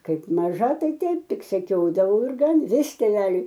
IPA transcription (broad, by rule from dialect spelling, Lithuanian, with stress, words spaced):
ˈkɐɪp ˈmɑːʒɐ ˈtɐɪ ˈtʲɛɪp ˈtʲɪk sʲɛˈkʲoːdɐʋɐʊ ɪr ˈɡɐn ˈʋʲɪs tʲeːˈʋʲæːlʲʊɪ